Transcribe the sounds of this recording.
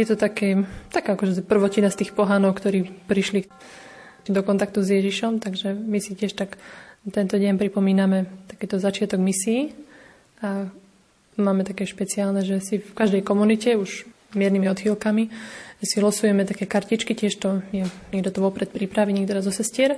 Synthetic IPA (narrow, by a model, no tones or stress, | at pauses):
jɛt̪ɔt̪akɛːt̪akaːakɔʒɛpr̩ʋɔcinast̪iːxpɔɦanɔʊkt̪ɔɾiːpɾiʃli | d̪ɔkɔnt̪ak̚t̪uzjɛʒiʃɔmt̪aɡʒɛmisicɪɛʃt̪akt̪ɛnt̪ɔɟɛnpɾipɔmiːnamɛt̪ḁkɛːt̪ɔzat͡ʃɪat̪ɔɡmisiː | a | maːmɛt̪akɛːʃpɛt͡siaːlnɛʒɛsifkaʒd̪ɛjkɔmunicɛuʒ | mɪɛɾnimiɔd̪xilkamiʒ̥ɛsilɔsujɛmɛt̪akɛːkaɾcit͡ʃkicɪɛʃt̪ɔɛɲɛɡd̪ɔt̪ɔʋɔpɾɛt̪̚pɾipɾaʋiɲɛːɡ̚d̪ɔɾazɔsɛscɪɛɾ